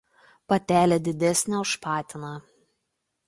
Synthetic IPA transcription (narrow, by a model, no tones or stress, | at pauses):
pɐt̪ʲæːlʲeːd̪ʲɪd̪ʲɛsʲnʲɛʊʃpɑːt̪ʲɪnɑ